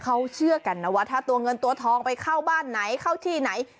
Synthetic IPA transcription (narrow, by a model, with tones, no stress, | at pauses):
kʰa˦˧˥wt͡ɕʰɯ˥˩ɐka˧˩nːa˧˩waː˧˥˩t̪ʰaː˥˩t̪u˧ɐŋɤ˧nt̪u˧ɐt̪ʰɔː˧ŋpa˧jkʰaː˥˩wbaː˥˩nːa˩˦jkʰa˥˩wt̪ʰiː˥˩na˩˦j